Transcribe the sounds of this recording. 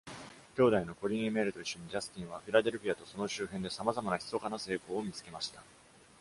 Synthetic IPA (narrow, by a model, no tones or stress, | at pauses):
kʲo̞ːd̪aino̞ko̞ɾʲĩɰ̃ẽme̞ːɾɯ̟t̪oiɕːo̞ɲ̟id͡ʑasɨ̥kʲĩɰ̃βaɸʲiɾad̪e̞ɾɯ̟pʲiat̪o̞so̞no̞ɕɨːɦẽ̞nd̪e̞samazamanaçi̥so̞kanase̞ːko̞ːmʲit͡sɨ̥ke̞maɕi̥t̪ḁ